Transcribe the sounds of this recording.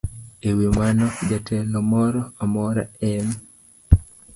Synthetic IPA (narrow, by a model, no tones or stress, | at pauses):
ewimanɔd͡ʒatʰɛlɔmɔɾɔamɔɾa̰ɛm